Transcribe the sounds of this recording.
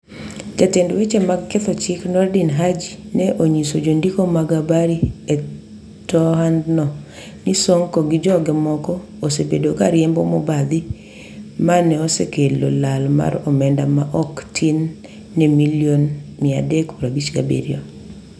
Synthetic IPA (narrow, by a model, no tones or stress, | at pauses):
d͡ʒatendwet͡ʃemakɛt̪ɔt͡ʃɪknɔrdinɦad͡ʒinɛʔoɲisod͡ʒondikomaɡabaɾiɛ | tɔɦandnɔ | nisɔŋkɔɡid͡ʒɔɡɛmɔkɔ | osebedokaɾjɛmbɔmɔbad̪i | manɛɔsekelolalma̰ɾɔmɛndamaʔɔktʰinː | ɛmiljonmɪa̰dekpɾabit͡ʃɡa̰bḛɾjo̰